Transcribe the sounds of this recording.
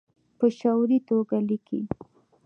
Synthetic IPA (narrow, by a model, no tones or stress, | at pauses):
pəʃawɾit̪oɡalikʰḭ